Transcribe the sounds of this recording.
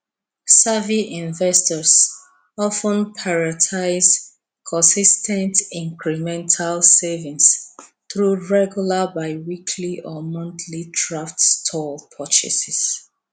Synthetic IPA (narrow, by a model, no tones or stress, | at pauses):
saviʔĩnvɛstɔs | ɔfə̃npʰaɹatʰaɪz | kʰɔ̃nsistʰɛ̃ntĩŋkɹɛmɛ̃ntʰalsevĩns | θɹuɹɛɡjulabaɪwikʰliʔɔmɔ̃nθʰlidɹaftstʰɔlpʰɔt͡ʃɛ̰sɛs